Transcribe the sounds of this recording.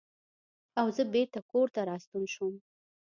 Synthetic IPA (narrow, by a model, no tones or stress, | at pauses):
awzəbeɾt̪akoɾt̪aɾɑst̪unʃum